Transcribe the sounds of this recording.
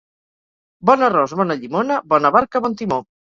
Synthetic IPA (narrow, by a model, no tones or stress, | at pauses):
bɔnərɔzβɔnɐʎimonɐbɔnɐβaɾkəβɔnt̪imo